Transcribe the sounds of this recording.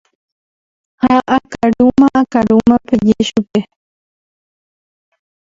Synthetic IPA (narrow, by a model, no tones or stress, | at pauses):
haʔakaɽumãʔakaɽumãped͡ʒeʃupe